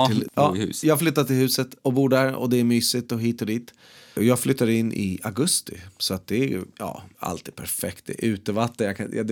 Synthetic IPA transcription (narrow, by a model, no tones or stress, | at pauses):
ɪɑːhʉ̰ːjɑːhaɡflʏt̪ːatt̪ɪlhʉ̟ːsət̪ɔbuːɖæɾɔ̰d̪ɛæɾmyːsɪt̪ɔɦiːt̪ɔd̪iːt̪ | ɔjɑːɡflʏt̪ːad̪ɪnːʔɪ̰aɡɵst̪ɪ̰sɔat̪̚d̪ɛæɾjɵ̰jɑ̰ːa̰lt̪ʰiːd̪pʰæɾfɛkt̪̚d̪ɛ̰ʔʉ̟ːt̪əvat̪ːənjakʰaja̰d̪